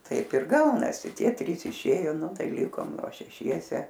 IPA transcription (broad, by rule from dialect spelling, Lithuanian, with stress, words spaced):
ˈtɐɪp ɪr ˈɡɐʊnɐsʲɪ ˈtʲiɛ tʲrʲiːs ɪˈʃʲeːjoː ˈnʊ ˈtɐɪ ˈlʲɪkoːm ˈʋɐ ʃʲɛˈʃʲiɛsʲɛ